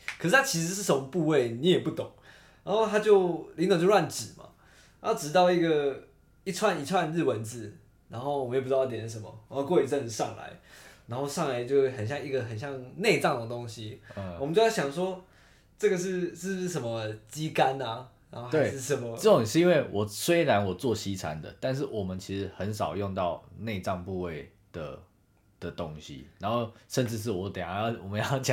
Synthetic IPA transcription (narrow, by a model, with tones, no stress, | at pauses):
kʰə˨˩ʂɻ̩˥˩t̪ʰa˥t͡ɕʰi˧˥ʂ̬̩˧˥ʂɻ̩˥˩ʂə˦mə˧pu˥˧we˥˩ɪni˨˧˥jɛ˨˩pu˥˩t̪ʊ˨˩˦ŋ | na˨˧nxo˥˧ʊt̪ʰa˥t͡ɕjo˥˧ʊli˧˥ŋt̪ɑ˨˩t͡ɕjo˥˧lwa˥˨nʈ͡ʂɻ̩˨˩ma̰˦˧˥ | ʈ͡ʂɻ̩˧˥t̪ɑ˥ʊi˥˩ɡə˨˩ | i˥˩t͡sʰwa˥˧ni˨˩t͡sʰwa˥˧nɻ̩˥˩wə˧˦nt͡sɹ̩˨˩˦ | na˧˥nxo˥˩ʊwm˦˧o˨˩p̩ː˥˧˥tjɛ˨˩ʂ̩˥˩ʂ̬ə˧˦mə̰˨˦o˥˧kwɔ˥˧i˨˧˩t͡sə˥˧n̩˧ʂɑ˥˨ŋla̰˧˦ɪna˧˥nxo˥˧ʊʂɑ˥˩ŋla˧˥ɪt͡ɕjo˥˧ʊxə˨˩nɕjɑ˥˧ŋi˧˥ɡə˨˩xə˨˩nɕjɑ˥˧ŋne˥˧ɪʈ͡ʂɑ˥˩ŋd̪ə˩ət̪o˦˥ŋɕi˦ə˨wmə˧˦t͡ɕo˥˧jɑ˥˩ɕjɑ˨˩ŋʂwɔ˥ | ʈ͡ʂɤ˥˨ɡə˩ʂɻ̩˥˧ʂ̩˥˧˩ʂə˧˦nmə˧t͡ɕi˦˥ka˦na˨na˧˥xo˥˧t̪we˦˥˨ʂɻ̩˥˩ʂə˧˦nmə˧t͡sə˥˩o˨ŋʂɻ̩˥˨i˦nwe˥˩ɪwʔɔ˨˩swe˥ɪɻa˧˦nwɔ˨˩t͡swɔ˥˨ɕi˦t͡sʰa˦˥nd̪ə̰˨t̪a˥˧nʂ̬ɻ̩˥˩wɔ˨˩mə˨˦nt͡ɕʰi˧˥ʂɻ̩˧˥xə˨˦ns̬ɑ˨˩ʊjo˥˧ŋt̪ɑ˥˨ʊne˥˧ɪʈ͡ʂɑ˥˧ŋpu˥˧we˥˩ɪ | d̪̥ə̰˩ | d̪̥ə˩t̪o˦˥ŋɕḭ˨na˧˥nxo˥˧ʊʂə˥˧nʈ͡ʂɻ̩˥˧ʂ̬ɻ̩˥˩wɔ˧˥t̪ja˨˩˥jwɔ˨˩mə˦jɑ˥˩ʊt͡ɕ